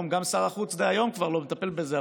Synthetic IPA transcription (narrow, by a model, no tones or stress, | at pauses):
mɡamsaʁaχut͡sdeajo̞mkvaʁlo̞met̪ape̞lbezea